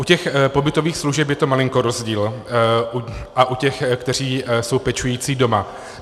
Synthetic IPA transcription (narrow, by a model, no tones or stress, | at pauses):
ʔucɛxpo̞bɪt̪o̞viːxsluʒɛpjɛt̪o̞malɪŋko̞ɾo̞zɟiːlʔuʔaʔucɛxkt̪ɛr̝iːso̞wpɛt͡ʃujiːt͡siːdo̞ma